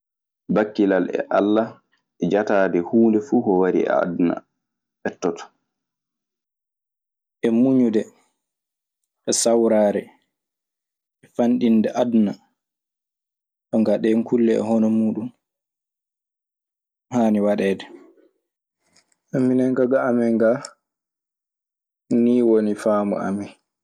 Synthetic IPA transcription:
bakːilalɛ̰ʔalːa | ɛd͡ʒataːdɛhuːndɛfuːhɔwaɾḭa̰ːdna̰ | ɛtːɔtɔ̥ | ʔɛmuɲudɛ | ʔɛsawɾaːɾɛ | ɛfanɗindɛʔadna | ɗɔŋɡaɗɛŋkʰulːɛɛ̰ɦɔnɔmuːɗum | haːniwaɗɛːdɛ | ʔamːinɛŋɡaɡaamɛŋɡa | niːwonifaːmɔ̰a̰mɛ

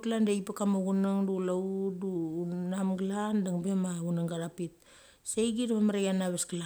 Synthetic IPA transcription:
tlandeipakamaɡunaŋdulaudunamɡlandaŋbe̞maunaŋɡaɾapit̚ | sejɡidamamaɾajanaβesɡala

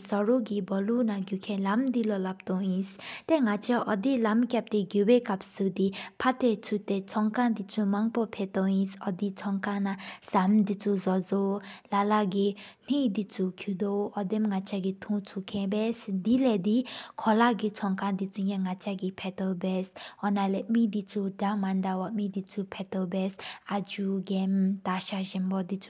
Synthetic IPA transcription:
sɔɹuʔɡibɔlunaɡukʰẽnlamd̪ilolap̚t̪ɔŋjinst̪eŋat͡ɕʰaʔɔd̪ilamkʲap̚t̪eɡuweːkap̚sɯd̪ipʰat̪et͡sʰut̪et͡sʰɔŋkʰaŋd̪it͡sʰumaŋpopʰet̪ɔŋjisʔɔd̪it͡sʰɔŋkʰaŋnasamd̪it͡sʰuzɔd͡zowlalaʔɡin̥id̪it͡sʰukʰud̪oɔd̪emŋat͡ʃaɡit̪ʰũt͡sʰukʰɛ̃bɛsd̪ilɛd̪ikʰɔlaʔɡit͡sʰɔŋkãŋd̪it͡suɲɛŋat͡ʃaɡipʰɛt̪ɔbɛsɔnalɛmid̪it͡sʰudamaɳdawɔʔmid̪it͡sʰupʰɛt̪ɔbɛsad͡ʒuɡɛmt̪aʃaʑinbɔd̪it͡su̥

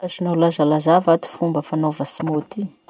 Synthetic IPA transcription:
azinolazalazavat̪i̥fumbəfanovəsimot̪i

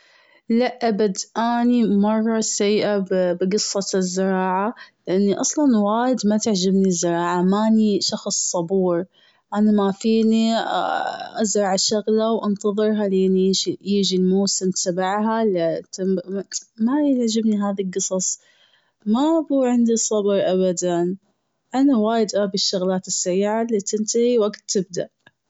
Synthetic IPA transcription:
laʔʔabad̪ʔaːnimɑrˤːɑsajːʔabbɡɨsˤːɑzːɪɾˤɑːʕalɪʔanːiʔɑsˤlɑnwaːjɪd̪mat̪ɪʕd͡ʒɪbnizːɪɾˤɑːʕamaniʃɑxsˤːɑbuːɾ | ʔanamafiːnḭ | ʔazɾˤɑʕʃaɣlawʔɪnt̪ɑðˤɨɾˤɦaliːniɪʃijɪd͡ʒilmoːsɪmt̪abaʕɦalt̪ɪ | majʕd͡ʒɪbniɦaːðilɡɨsˤɑsˤ | mabuːʕɪnd̪isˤɑbɾʔabad̪an | ʔanawaːjɪd̪ʔabiʃːʊɣlaːt̪ɪsːaɾiːʕalit̪ɪnt̪ahiwaɡt̪ːɪb̚d̪a̰ʔ

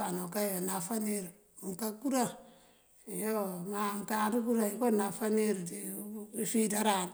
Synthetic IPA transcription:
anokajanafaniɾ | ŋkakuɾa | ijomaŋkaɾukuɾaikonafaniɾdiifidaɾan

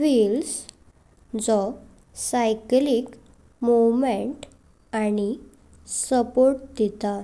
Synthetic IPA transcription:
fils | d͡zɔ | sajklik | muʋmeɳʈ | aɽ̃i | səpoɾʈ̚d̪it̪a

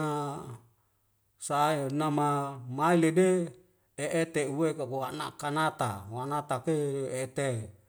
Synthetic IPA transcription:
a | saenamamailede | eʔːt̪euwekakowanakanat̪a̰wanat̪akeeet̪e

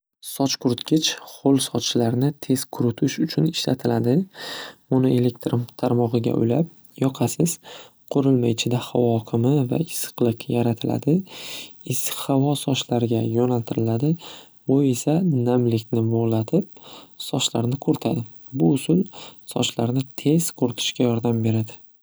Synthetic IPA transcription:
sɒt͡ʃkʰʊɾʊt̪kʲɪt͡ʃχolˠsɒlaɾnɪt̪ʰe̞z̥kʰʊɾʊt̪ʰɪʃʊt͡ʃʰʊnɪʃla̰t̪ʰɪlad̪ɪ | ʊnoe̞lek̚t̪ɾɪmt̪ʰaɾmɒʁɨɡʲa̰ʔʊ̰jlap̚ | jɒqʰɑsɪz̥ | qʰʊɾɪlmajɪt͡ʃʰɪd̪ahavɒkʲʰɪmɪva̰ɪsɨ̥qlˠɨqjaɾat̪ʰɪlʔa̰d̪ɪ | shavɒsɒʃlaɾɪɡʲajɒnalt̪ʰɪɾɪlad̪ɪ | bʊe̞sanamlɪkʲnɪboʁlˠat̪ʰɪp̚sɒʃlaɾnɪkʰʊɾt̪ʰad̪ɪ | bʊːsʊlˠsɒ̰ʃlaɾnɪt̪ʰe̞zkʰʊɾɪt̪ʰɪ̥ʃkʲajɒɾd̪ambe̞ɾad̪ɪ

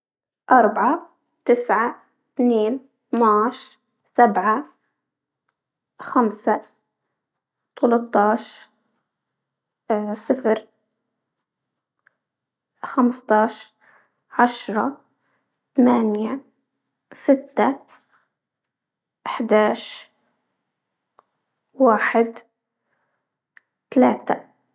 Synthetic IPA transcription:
ʔɑɾˤbʕa | t̪ɪsʕa | t̪niːn | t̪naːʃ | sabʕa | xamsa | t̪ɑlɑt̪ˤːɑːʃ | sɪfɾ | xamst̪ˤɑːʃ | ʕaʃɾˤɑ | t̪amaːnja | sɪt̪ːa | ʔɪħd̪aːʃ | waːħɪd̪ | t̪alaːt̪a

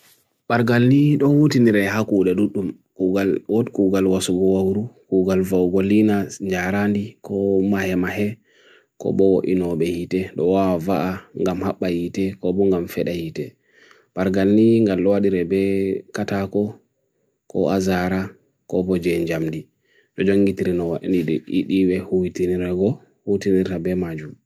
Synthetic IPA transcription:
ɓaɾɡalniɗɔwutiniɾɛɦakuɗɛɗuɗːum | kuɡalwɔtkuɡalwasuɡɔwawɾukuɡalvawɡɔlinaɲd͡ʒaɾandikʰɔmahɛmaɦɛ | kɔ̰bɔwoʔinɔɓɛhitɛɗɔwawavaʔaŋɡamhaɓːahitɛkɔbɔŋɡamfɛɗahitɛ | b̥aɾɡalniŋɡalɗɔwaɗiɾɛbɛkatakɔ | kɔ̰azaɾa | kɔbɔd͡ʒɛɲd͡ʒamdi | ɗɔd͡ʒoŋɡitiɾinɔwaɗḭniɗɔʔiɗiwɛhujitiniɾɛɡɔ | hutiniɾtabɛmad͡ʒum

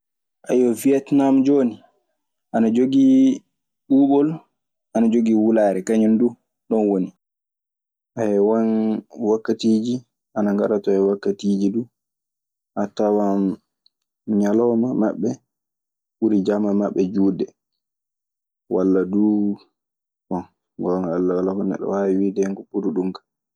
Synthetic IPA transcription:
ʔajɔviɛtnamd͡ʒoːni | ʔanad͡ʒoɡi | ɓuːɓɔl | ʔanad͡ʒoɡiwulaːɾɛkaɲɔndu | ɗɔnwoni | ʔajɛwanwakːatiːd͡ʒi | ʔanaŋɡaɾatɔɛwakːatid͡ʒidu | ʔatawan | ɲalɔmama̰ɓːɛ | ɓuɾid͡ʒamamaɓːɛd͡ʒuːdɛ | walːadu | ɓɔn | ɡɔŋalːawalːahɔnːɛ̰ɗɔ̰wawiwiːdɛŋkɔpuɾuɗumkḁ

